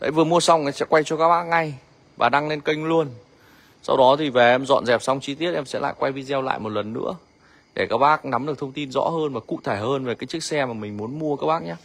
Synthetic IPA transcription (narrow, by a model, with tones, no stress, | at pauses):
ɗ̪ə˨˧˦vɨ˨˩əmu˧əsa˧wŋ͡mʔsɛ̰˧˥kwa˧jt͡ɕɔ˧kaː˦˥k̚ɓaː˦˥k̚ŋa˧j | vaː˨˩ɗa˧ŋle˧nkə˧jŋ̟lu˧ən | sa̰˧wɗɔ˨˦t̪ʰi˨˩ve˨˩ʔɛ˧mzɔ̰˧˨nzɛ˨˩p̚sa˧wŋ͡mt͡ɕi˧t̪̬i˦˥ət̚ʔɛ˧msɛ̰˧˥la̰ː˧˨jkwa˧jvi˧zɛ˧wla̰ː˧˨jmo˨˩t̚lə˨˩nːɨ̰˧˥ə | ɗe˧˩kaː˦˥k̚ɓaː˦˥k̚na˨˦mɗɨ˨˩ək̚t̪ʰə˧ŋ͡mt̪i˧nzɔ̰˧˥ɦəː˧nvaː˨˩kṵ˧˨t̪ʰe˧˩həː˧nve˨˩kaː˨˦jt͡ɕɨ˦˥k̚sɛ˧maː˨˩mï˨˩ŋ̟mu˨˦ənmu˧əkaː˦˥k̚ɓaː˦˥k̚ɲaː˨˦